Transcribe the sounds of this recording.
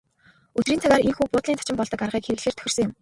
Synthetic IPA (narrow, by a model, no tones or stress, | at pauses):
ɵt̪riːnt̪ʰaɣaːɾiŋxuːpʊːt̪ɮint̪ḁt͡ɕɪ̆mpɔɮt̪ɞ̆karʁiːkxeɾɘ̆ɮeːrt̪ʰœ̥xɪ̆rsɞ̆ŋjʊ̆m